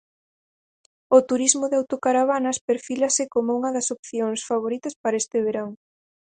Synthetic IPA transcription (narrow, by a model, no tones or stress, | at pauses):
ʊt̪uɾizmʊðeawt̪okaɾaβanɐspeɾfilɐsɪkomouŋɐðɐsopθjoŋsfaβ̞oɾit̪ɐspaɾɐest̪ɪβeɾaŋ